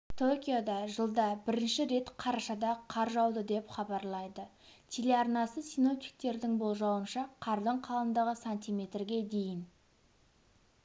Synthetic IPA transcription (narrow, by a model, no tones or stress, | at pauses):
t̪ʰokʲijod̪ɑʒəlˠd̪ɑbɪɾɪnʃɪɾe̞t̪qʰɑɾɑʃɑd̪ɑqʰɑɾʒɑwd̪əd̪e̞pχɑbɑɾlˠɑjd̪ə | t̪ʲʰe̞le̞ɑɾnɑsəsino̞p̚t̪i̥k̚t̪e̞ɾd̪ɪŋbo̞lˠʒɑwənʃɑqʰɑɾd̪əɴqʰɑlˠənd̪ɑʁəsanʲt̪ijme̞t̪rɡʲe̞d̪e̞jɪn